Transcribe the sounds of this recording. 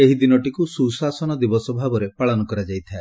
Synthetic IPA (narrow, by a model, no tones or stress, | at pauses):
eɦid̪inɔʈikususasɔnɔd̪ibɔsɔbʱabɔɾepaɭɔnɔkɔɾad͡ʒajt̪ʰae